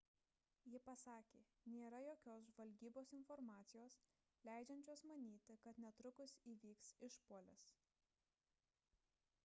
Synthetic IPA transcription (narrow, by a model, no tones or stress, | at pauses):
jɪpɐsɑːkʲeːnʲeːɾɐjoːkʲoːsʒʋɐlʲɡʲiːboːsɪnfɔɾmɑːt̪sʲɪjoːs | lʲæˑɪd͡ʒʲɛnʲt͡ʃʲoːsmɐnʲiːt̪ʲɪkɐt̪nʲɛt̪ɾʊkʊsiːʋʲiːksɪʃpuɔlʲɪs